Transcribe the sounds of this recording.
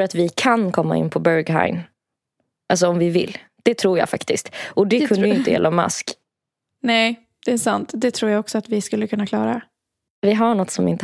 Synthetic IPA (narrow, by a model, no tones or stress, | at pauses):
ɾat̪vɪkʰankʰɔmːa̰ɪ̰npʰɔbœɾɡɦa̰ɪn | ʔals̬ɔɔmvɪvɪ̰lː | d̪̥ɛt̪ʰɾuːja̰ːfa̰kt̪ɪskt̪ʔɔd̪ɛkʰɵnd̪əjɪnt̪əjɛ̰lʔamːa̰sk | nɛj | d̪̥ɛːsant̪d̪ɛt̪ʰɾuːɾjaɡɔksɔat̪vɪskɵlːəkʰɵnːakʰlɑːɾa | vɪɦaɳɔt̪ːsɔmɪ̰nt̪ə